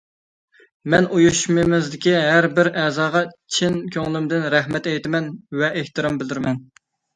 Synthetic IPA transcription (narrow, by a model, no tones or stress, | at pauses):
mɛnujuʃmɨmɪzd̪ɪkʲiɦæɾbɪɾʔɛzɑːʁɑt͡ʃʰɪnkʲʰøŋlˠymd̪ɪnɾɛɦmɛt̪ɛjt̪ɪmɛnwɛʔeht̪ɨɾɑmbɪld̪ɪɾmɛn